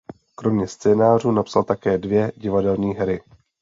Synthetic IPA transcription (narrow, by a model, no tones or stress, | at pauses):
kɾo̞mɲɛst͡sɛːnaːr̝uːnapsalt̪akɛːdvjɛɟɪvadɛlɲiːɦɛɾɪ